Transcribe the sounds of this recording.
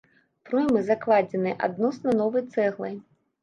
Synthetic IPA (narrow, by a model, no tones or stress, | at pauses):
pɾɔjmɨzaklˠad͡zʲɛnɨʔa̰d̪̚nɔsnɐnɔvɨjt̪sɛɣlˠɐj